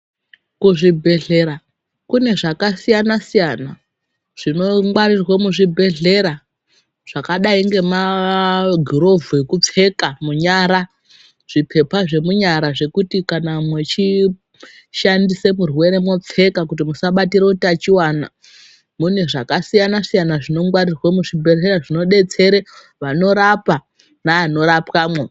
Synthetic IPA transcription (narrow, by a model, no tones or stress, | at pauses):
kuʐibʱe̞ɮe̞ɾa | kune̞ʐakasijanasijana | ʐ̥ino̞ŋwaɾirwamuʐibʱe̞ɮe̞ɾa | ʐ̥akaɗaiŋɡe̞ma | ɡʱiɾo̞vuekup͡fe̞kamuɲaɾa | ʐ̥ipʰe̞paʐe̞muɲaɾaʐe̞kutikanamwe̞t͡ʃi | ʃandise̞murwe̞ɾe̞mwo̞p͡fe̞kakut̬imusaɓatiɾeutiat͡ʃiwana | mun̤eʐakasijanasijanaʐino̞ŋɡwarirwamuʐibʱe̞ɮe̞ɾaʐino̞ɗe̞t͡se̞ɾe | ʋano̞ɾapa | naːno̞ɾapwamwe